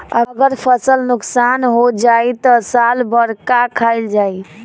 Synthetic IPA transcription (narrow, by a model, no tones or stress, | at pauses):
əɡəɾpʰəsəlnuksanɦod͡ʒajt̪ɔsalbəɾkakʰald͡ʒaj